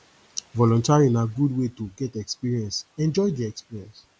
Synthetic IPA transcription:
vɔlɔ̃ntaɹĩnaɡudwetoɡɛtɛkspiɹiɛ̃nsɛ̃nd͡ʒɔjdiɛkspiɹiɛ̃ns

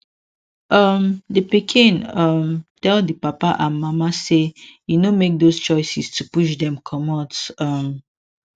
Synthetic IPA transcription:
ʌmdəpikʰĩnʌmtɛlˠdəpapaʔãmamasejunomek̚dost͡ʃɔɪsɛstupuʃ̬dɛ̃mkʰɔmɔ̃tʌm

